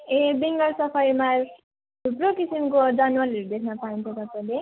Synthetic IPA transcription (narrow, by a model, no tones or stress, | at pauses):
ebiŋɡʌlsʌpʰʌjma | t̪ʰupɾokisimkod͡zanwaliɾud̪ekʰnʌpaĩnt͡sʰʌt̪ʌpaĩle